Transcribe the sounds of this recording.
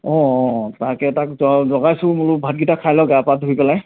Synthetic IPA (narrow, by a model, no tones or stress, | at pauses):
ɔ̃ɔtakɛtakzɔzɔɡajsʊ̃mʊlʊbʱat̚ɡitakʰajlɔɡɛapadʱuɡipɛlaj